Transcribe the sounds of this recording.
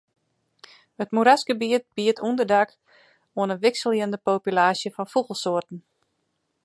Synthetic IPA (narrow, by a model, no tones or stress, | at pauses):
hətmuɾasɡəbiət̚b̥iətʰundərdak | oənənʋɪksəlˠjəndəpoːpylaːsjəfɔnfuɣəlˠsoərtn̩